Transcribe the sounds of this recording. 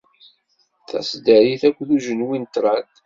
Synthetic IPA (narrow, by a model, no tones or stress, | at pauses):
θæ̰sd̪əɾiθækʷːðuʒənwint̪ɾˤɑd̪